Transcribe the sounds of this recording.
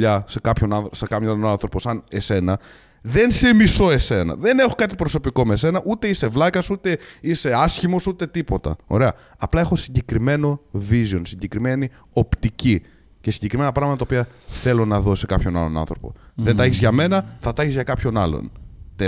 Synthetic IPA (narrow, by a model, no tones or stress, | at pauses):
ʎɐse̞kɐpço̞nɐnθsɐkɐmjolonɐnθɾo̞po̞sɐne̞se̞nɐ | ðe̞nse̞miso̞e̞se̞nɐ̰ðe̞ne̞xokɐt̪ipɾo̞so̞piko̞mese̞nɐʔut̪e̞ise̞vlɐkɐsut̪e̞ise̞ɐsçimo̞sut̪e̞t̪ipo̞t̪ɐ̰o̞̰ɾe̞ɐ | ɐplɐe̞xo̞siɲɟe̞kɾime̞no̞vizio̞nsiɲɟe̞kɾimeni | o̞pt̪ici | cesiɲɟe̞kɾime̞nɐpɾɐɣmɐt̪ɐt̪ɐopiɐθe̞lo̞nɐðo̞se̞kɐpço̞nɐ̰lo̞nɐ̰nθɾo̞po̞̰ðent̪ɐeçizʝɐme̞nɐθɐt̪ɐɐçizʝɐkɐpço̞nɐ̰lo̰nt̪e